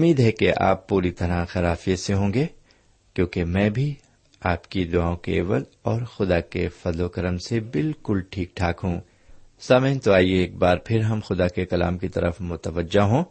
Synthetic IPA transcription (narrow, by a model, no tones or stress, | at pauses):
ʊmːiːd̪ɦɛkeʔa̰ːpːuːɾit̪ɐɾãxɐɾaːfieseɦõːŋɡeː | kjõːkemɛ̃ːbʱi | aːpkid̪ʊaːõkḛḛːʋəlɔːɾxʊd̪akefɐzlokɐɾəmsebɪlkʊlʈʰiːk̚ʈʰaːkɦũː | saːmə̃nt̪oaːieːk̚baːɾpʰɪɾɦɐmxʊd̪akekɐla̰ːmkit̪ɐ̰ɾʔə̰fmʊt̪əʋəd͡ʒːaɦõː